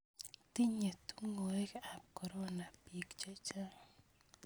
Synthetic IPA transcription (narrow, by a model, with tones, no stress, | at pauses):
t̪i˦ɲe˨t̪u˦ŋo˨e˦ka˨p̚ko˨ɾo˦na˨pi˨kt͡ʃa˦t͡ʃa˦